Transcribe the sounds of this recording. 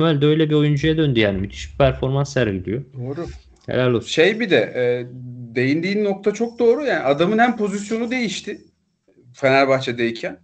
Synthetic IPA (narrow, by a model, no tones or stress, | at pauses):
mælʲd̪ɛø̞jlʲɛbio̞jund͡ʒujad̪ønd̪yjaːnimyt̪ʰi̥ʃi̥pʰæɾfo̞ɾmansːæɾɟid̪ijod̪oːɾʊ | hḛlʲælʲːosʃejbid̪ɛɛːd̪e̞jind̪iːnːo̞k̚t̪ʰat͡ʃʰo̞k̚d̪o̞ːɾujaːniad̪amɯnhæmpʰo̞zisjo̞nud̪e̞jiʃt̪ʰɪ | fenæɾʲbaxt͡ʃʰɛd̪ejicʰæn